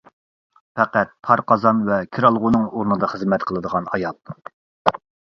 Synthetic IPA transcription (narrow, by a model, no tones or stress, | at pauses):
pɛqæt̪̚pʰɑɾqʰɑzɑnvɛkʲʰiɾɑlˠʁʊnɨŋoɾnɨd̪ɑχəzmɛt̪qʰəlˠɨd̪əʁɑnɑjɑlˠ